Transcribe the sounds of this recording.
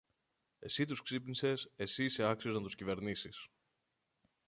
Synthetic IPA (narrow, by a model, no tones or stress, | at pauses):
e̞sit̪usksipnise̞se̞siːse̞ɐksio̞znɐt̪uscive̞ɾnisis